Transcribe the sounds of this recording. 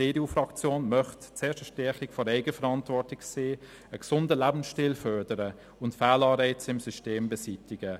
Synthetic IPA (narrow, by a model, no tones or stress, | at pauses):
d̥eːdeuːfrɑkt͡sjoːnmœχtt͡seːʃtəʃtɛχɪkfɔɾɛɪɡəfəɾɑntvɔɾtɪkseː | əksʊndəlæbn̩sʃtiːlfœdəɾə | ʊntfaːlɑːɾɛɪt͡sɪmsysteːmbɛsitɪɡ̥ə